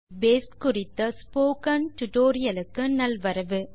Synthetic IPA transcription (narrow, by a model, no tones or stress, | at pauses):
beːskʊrɪt̪ːɐspoːkɐnʈʊʈoːɾɪjɐlɯkːɯnɐlʋɐɾɐʋɯ